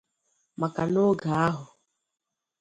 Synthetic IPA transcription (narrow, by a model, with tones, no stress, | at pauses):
ma˨ka˨lo˦ɡaː˨˦ɦɔ˨